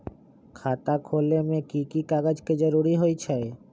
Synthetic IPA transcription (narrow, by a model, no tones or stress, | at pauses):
kʰat̪akʰolemekikikaɡad͡ʑked͡ʑoɾuɾiɦojt͡ɕʰee